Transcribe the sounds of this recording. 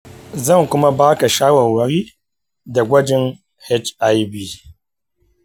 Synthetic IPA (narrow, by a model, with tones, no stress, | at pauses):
zɐ˦˨ŋkʷʊ˦ma˦baː˦ka˨ʃaː˦wɐ˨rwɐ˨ɾiː˦ | da˨ɡʷɐ˦d͡ʒɪ˦n | hɛ˦t͡ʃʔa˦jbiː˦˨